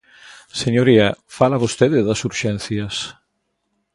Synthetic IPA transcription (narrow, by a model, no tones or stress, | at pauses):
seɲoɾiafalaβost̪eðɪðasuɾʃɛnθjɐs